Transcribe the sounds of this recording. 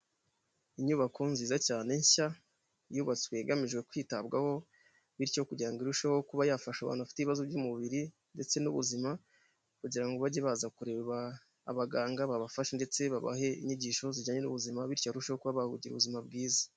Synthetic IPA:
iɲuβakʰo̞nziːzacaːne̞ɲɕa | juːβat͡swe̞ɡamiʒɡwe̞kwiːtabɡaho̞ | βiɾco̞kuɟiɾaŋɡiɾuʃaho̞kuβajafaʃaβa̰ːnhuβafi̥teβiβazobɟuːmuβiɾi | nde̞t͡se̞nuβṵzima | kuɟiɾaŋɡo̞βaɟeβazakuɾe̞βa̰ː | βaɡaːŋɡaβaβafaʃende̞t͡se̞βaβa̰ɦe̞ḭɲiɟiːʃo̞ziɟaːɲe̞nuβuzimaβiɾcjoɾuʃehokuβaβahuɟiɾṵβuzimabɡiːzḁ

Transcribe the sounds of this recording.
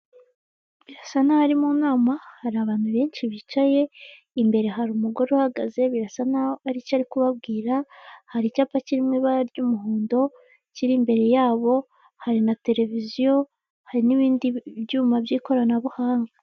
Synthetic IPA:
βiɾasanahaɾimunaːmahaɾiaβaːn̥huβe̞ːnt͡ʃiβit͡ʃaje̞ | imbe̞ɾe̞ɦaɾumuɡo̞ɾeuhaɡaze̞βiɾasanaːɾicaɾikuβabɡiːɾahaɾicapaciɾimŋiβaɾɟumuɦuːndo̞ | ciɾimbe̞ɾe̞jaːβo̞ | haɾinate̞ɾe̞vizijo̞ | haɾiniβiːndibjuːmabjiːko̞ɾanaβuhaːŋɡa

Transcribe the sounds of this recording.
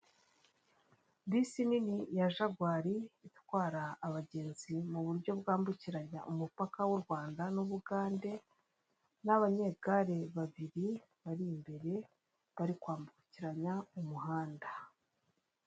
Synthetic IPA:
disininijaʒaɡwaːɾiːtwaːɾaːβaɟe̞ːnzimuβuɾɟo̞bɡaːmbuciɾaɲaʔumupakawuɾɡwaːndanuβuɡaːnde̞ | naβaɲe̞ɡ̥aɾe̞βaβiɾi | βaɾiːmbe̞ɾe̞ | βaɾikwaːmbuuciɾaɲaumuhaːnda

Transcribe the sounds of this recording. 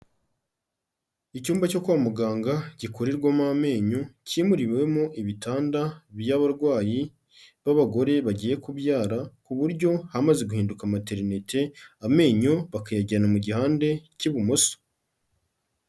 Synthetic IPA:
icuːmbaco̞kuβamuɡaːŋɡaɟ̥ikoɾiɾɡwamame̞ːɲociːmuɾiβwe̞moʔiβitaːndaβjaβaɾɡwaːji | βaβaɡo̞ɾe̞βaɟiːje̞kubjaːɾakuβuɾɟo̞hamaze̞ɡuhiːndukamate̞ɾinetʰe̞ame̞ːɲoβakajaɟanamuɟihaːnde̞ciβumoso̥

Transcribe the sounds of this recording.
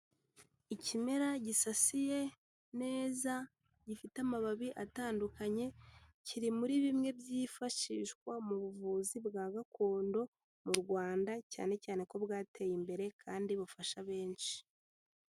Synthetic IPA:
icime̞ɾaɟisasije̞ | ne̞ːza | ɟifitamaβaβiʔataːndukaɲe̞ciɾimuɾiβimŋe̞bjiːfaʃiʃkwamuβuvuːzibɡaːɡako̞ːndo̞ | muɾɡwaːndaca̰ːne̞caːne̞ko̞bɡaːtʰe̞jimbe̞ɾe̞kʰaːndiβufaʃaβe̞ːnʃi̥

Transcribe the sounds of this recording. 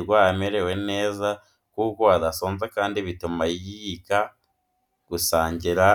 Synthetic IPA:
ɾɡwaːameɾewe̞ne̞ːza | kuko̞adasoːnzekaːndiβitumaijiika | ɡ̥usaːɲɟiɾa

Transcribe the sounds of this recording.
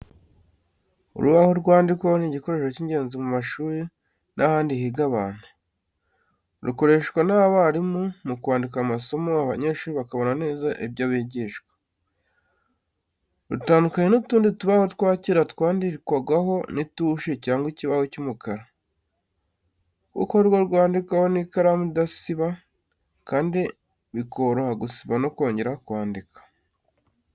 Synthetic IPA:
ṵɾuβahoɾɡwaːndikoniɟiko̞ɾe̞ːʃociɲɟe̞ːnzimumaʃuːɾi | nʔahaːndihiɡaβan̥u | ɾuko̞ɾe̞ʃɡwanaβaɾimumukwaːndikamaso̞moaβa̰ɲe̞ːʃuːɾiβakaβo̞nane̞ːzaʔibjaβiɟiːʃwḁ | ɾutaːndukaɲenutuːndituβahotkwaːciɾatwaːndiɾikwaɡwaɦo̞nituʃecaːŋɡwiciβahocumukaɾa | kṵkohɾɡwoɾɡwaːndikaho̞nikaɾamudasiβa | kaːndi | βikʰo̞ɾohaɡusiβanokwo̞ːɲɟe̞ɾakwaːndikʰḁ

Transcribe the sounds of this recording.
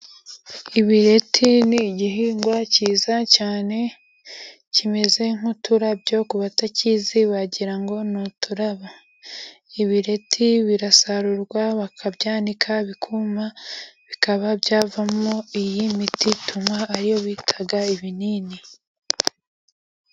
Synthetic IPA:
iβiɾe̞tʰiniɟiɦiːŋɡwaciːzacaːne̞ | cime̞ze̞ŋ̥hutʰuɾabɟo̞kuβataciziβaɟiɾaŋɡo̞notuɾaβa | iβiɾe̞tʰiβiɾasaɾuɾɡwaβakʰabɟaːnikʰaβikʰumaβikaβabɟaːvamoijimititumwaːɾijo̞βiːtʰaɡaiβiniːni

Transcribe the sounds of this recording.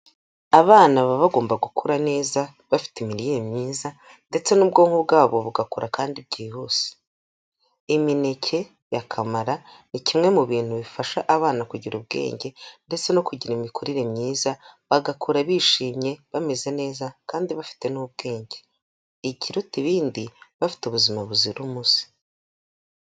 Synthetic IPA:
aβaːnaβaβaɡo̞ːmbaɡukʰuɾane̞ːza | βafi̥timiɾijemɲiːza | nde̞t͡se̞nuːbɡo̞ːŋ̥hubɡaːβoβuɡakuɾakaːndib̚ɟihuːsi̥ | imine̞cʰe̞ | jakʰamaɾa | nicimŋe̞muβiːn̥huβifaʃaʔaβaːnakuɟiɾubɡḛːɲɟe̞nde̞t͡se̞no̞kuɟiɾimikʰuɾiɾe̞mɲiːzaβaɡakʰuɾaβiːʃiːmɲe̞βame̞ze̞ne̞ːzakaːndiβafi̥te̞nub̚ɡe̞ːɲɟe̞ː | ciɾutiβiːndiβafi̥tuβuzimaβuziɾumusi̥

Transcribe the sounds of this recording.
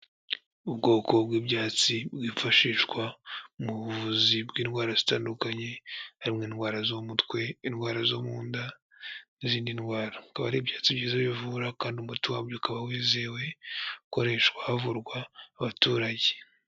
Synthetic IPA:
ubɡo̞ːko̞bɡiːbɟaːt͡sibɡiːfaʃiːʃkwamuuvuzibɡiːnɡwaːɾaz̥itaːndukaɲe̞haɾimŋiːnɡwaːɾazomutwe̞inɡwaːɾazo̞muːnda | niziːndinɡwaːɾakaβaɾibɟaːt͡sibɟiːzaβivuɾakaːndiumutiwaːbjokaβawiːze̞we̞uko̞ɾe̞ʃkwahavuɾɡwaːβatuɾaɟe

